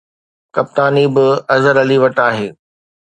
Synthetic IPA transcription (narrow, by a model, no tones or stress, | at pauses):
kɐp̚t̪aːnibɪɐzəɾɐliʋɐʈaːɦeː